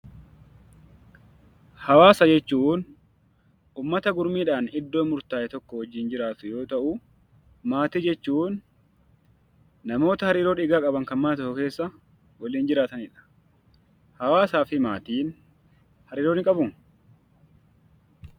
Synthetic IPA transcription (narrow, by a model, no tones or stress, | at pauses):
hɐwaːsɐd͡ʒɛt͡ʃːuːn | ʔuːmːɐt̪ɐɡʊɾmiːᶑaːnɪd̪ːoːmʊɾt̪aːʔɛt̪ɔkːɔhɔd͡ʒiːnd͡ʒɪɾaːt̪ʊjo̞ːt̪ɐʔʊ | maːt̪iːd͡ʒɛt͡ʃːuːn | ɐmo̞ːt̪ɐhɐɾiːɾo̞ːᶑɪɡaːkʼɐbɐŋkɐnmɐnɐt̪ɔkːɔke̞ːsːɐ | wɐliːnd͡ʒɪɾaːt̪ɐnɪᶑɐ̥ | hɐwaːsaːfɪmaːt̪iːn | hɐɾiːɾoːnɪkʼɐbʊŋ